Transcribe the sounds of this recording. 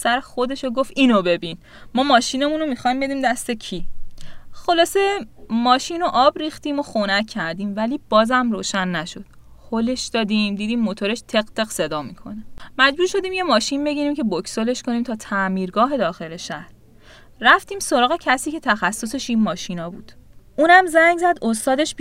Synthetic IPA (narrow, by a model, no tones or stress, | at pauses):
sæɾexod̪e̞ʃoɡo̞fiːnobe̞bin | mɒːmɒːʃiːne̞munomixɒjmbe̞d̪iːmd̪æst̪e̞cʰi | xo̞lɒːse̞mɒːʃino̞ʔɒːbɾiːxt̪iːmo̞xonæcʰːæɾd̪iːmvæliːb̥ɒːzæmroːʃænːæʃo̞d̪̥ | hole̞ʃd̪̥ɒːd̪iːmd̪iːd̪iːmːot̪ʰo̞ɾe̞ʃt̪ʰe̞ɢt̪ʰe̞ɣse̞d̪ɒːmikʰo̞̰nemæd͡ʒbuːɾʃo̞d̪iːmje̞mɒːʃinbe̞ɡiɾiːmcʲʰe̞bokʰsole̞ʃkʰo̞niːmt̪ʰɒːt̪ʰæmiːɾɡɒːɦe̞d̪ɒːxe̞le̞ʃæhɾ | ræft̪iːmsoɾɒːɣe̞cʰæsiːcʲʰe̞t̪ʰæxæsːo̞se̞ʃiːnmɒːʃinɒːbuːd̪̥ʔuːnæmzæŋɡzæd̪ost̪ɒːd̪e̞ʃ